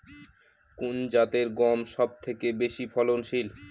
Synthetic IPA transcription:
kund͡ʑat̪eɾɡɔmʃɔb̚t̪ʰekebeʃipʰɔlonʃil

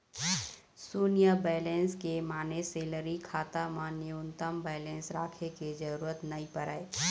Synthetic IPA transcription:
suːnijabɛːlẽːnskemaːneseːləɾikʰaːt̪amãnɪʊnt̪əmbɛːlẽːnsɾaːkʰeked͡ʒəɾuːɾət̪nɐĩpəɾaːe

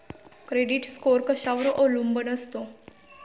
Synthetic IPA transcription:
kɾeɖiʈskoɾkəɕaʋɾʔolumbənəst̪o

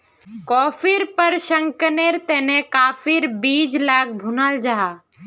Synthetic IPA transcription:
kɔːfʰɪɾpəɾʃə̃ŋkəneɾt̪ɛːnekaːfʰɪɾbiːd͡ʒlaːk̚ʰbʱunaːld͡ʒaːaː

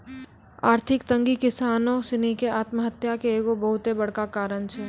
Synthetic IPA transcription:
aːɾt̪ʰɪkt̪ə̃ŋɡikɪsaːnõsɪnikeaːt̪məɦət̪jakeeːɡobəɦʊt̪ebɐɽ̤kakaːɾəɳt͡ʃʰɛː

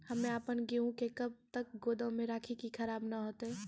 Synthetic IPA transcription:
hɐmẽaːpənɡeũkekɐb̚t̪ɐk̚ɡoːd̪ãmẽɾaːkʰikikʰɐɾaːbnaɦoːt̪ɦɛː

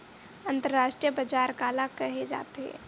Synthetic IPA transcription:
ə̃nt̪əɾɾaːʃʈɾijəbɐd͡ʒaːɾkaːlakɐɦed͡ʒa̰ːt̪eɦɛ̰ː

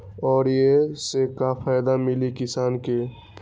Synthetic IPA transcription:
ɔːɾjesekapʰajd̪amɪlikɪsaːnke

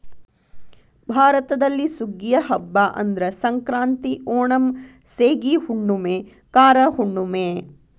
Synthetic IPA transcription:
bʱaːɾɐt̪ɐd̪ɐlːisuɡjɐɦɐbːaʔɐ̰nd̪ɾɐsɐŋkɾaːnt̪iʔɔːɳɐm | seːɡihuɳːumeː | kaːɾɐhuɳːumeː

